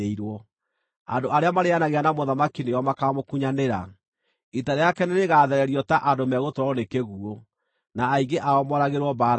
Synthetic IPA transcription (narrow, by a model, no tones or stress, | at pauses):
eiɾwɔ | a̰ndoʔaɾeamaɾeanaɣeanamoðamakineɔmakamokuɲaneɾa̰ | itaɾejakɛneɾeɣaːðɛɾɛɾiɔtaʔadomɛɣotɔɾɔnekeɣuo | naːiɡeʔaɔmɔɾaɣeɾwɔbaːɾ